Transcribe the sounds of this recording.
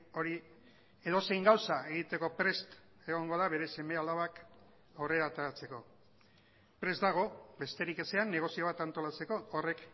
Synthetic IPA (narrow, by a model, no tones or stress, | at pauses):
o̞ɾi | e̞ð̞o̞se̞jŋɡawsae̞ɣ̞it̪e̞ko̞pɾe̞st̪ | e̞ɣ̞o̞ŋɡo̞ðaβe̞ɾe̞se̞me̞alaβ̞ak | are̞ɾat̪aɾat͡se̞ko̞ | pɾe̞zd̪aɣ̞o̞be̞st̪e̞ɾike̞se̞anːe̞ɣ̞o̞sio̞βat̪ant̪o̞lat͡se̞ko̞ːre̞k